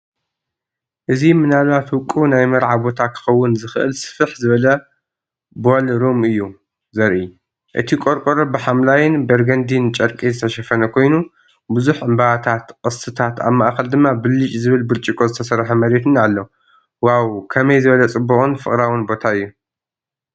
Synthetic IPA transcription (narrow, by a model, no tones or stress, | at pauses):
ʔɨzimɨnalβat̪wʊkʼːunajmɐɾʕabo̞t̪ʰakʰɨ̥xɐwːʊnzɨxɨʔɨ̰lsɨ̥fɨħzɨβɐlɐ | bolɾomɨjːu | zɐɾʔi | ʔɨ̰t̪ʰikʼo̞ɾkʼoɾobɨħamlajɪnbɐɾɡɐnd̪int͡ʃʼɐɾkʼizɨt̪ʰɐʃɐfɐnɐkʰo̞jnu | bɨzuħʕɨmbaat̪ʰat̪kʼɨst̪ʰɨt̪ʰat̪a̰βmaʔxɐld̪ɨmːabɨlːɨt͡ʃʼzɨβɨlbɨɾt͡ʃʼikʼo̞zɨt̪ʰɐsɐɾħɐmɐɾet̪ʰɨnalːo | wawkʰɐmɐjzɨβɐlɐt͡sʼɨbːuχʼɨnfɨχʼɾawɨnbo̞t̪ʰaɨjːu